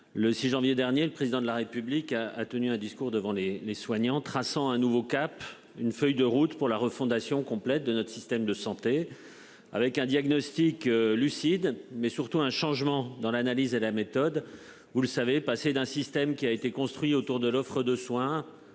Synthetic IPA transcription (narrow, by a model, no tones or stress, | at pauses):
ləsiʒɑ̃vjed̪ɛʁnjeləpχezid̪ɑ̃d̪laʁepyblika̰ːt̪ənyɛ̃d̪iskuʁd̪əvɑ̃leleswaɲɑ̃t̪χasɑ̃ɛ̃nuvokap | ynfœjd̪əʁut̪puʁlaʁəfɔ̃d̪asjɔ̃kɔ̃plɛt̪̚d̪ənɔt̪χsist̪ɛmd̪əsɑ̃t̪e | a̰vɛkɛ̃d̪jaɡnɔst̪iklysid̪mɛsyʁt̪uɛ̃ʃɑ̃ʒmɑ̃d̪ɑ̃lanalizelamet̪ɔd̪ | vuləsavepased̪ɛ̃sist̪ɛmkʲiaet̪ekɔ̃st̪χɥiot̪uʁd̪əlɔfχəd̪əswɛ̃